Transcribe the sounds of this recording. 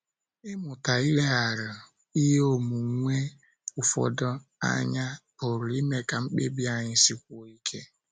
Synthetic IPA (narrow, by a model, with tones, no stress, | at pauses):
ɪ˦mʊ˨ta˨i˦le˦a˨ɾʊ˨ | i˦ɦo˨mu˨ŋ̩˨˦ŋʷe˦ | ʊ˨fɔ̰˨dɔ˦a̰˦ɲa˦ | o˨ɾʊ˨i˦me˦ka˨ŋ͡m̩˦k͡pe˦bi˦a˦˨ɲɪ˦si˦kʷɔ˨i˦kʰe˦